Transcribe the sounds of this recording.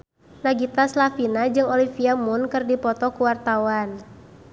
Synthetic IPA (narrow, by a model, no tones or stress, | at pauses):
naɡit̪aslafinad͡ʒɨŋɔlifiamʊnkɨrdipɔt̪ɔkuwart̪awan